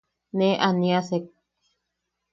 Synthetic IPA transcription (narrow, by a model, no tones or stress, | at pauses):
nẽʔanĩasek̚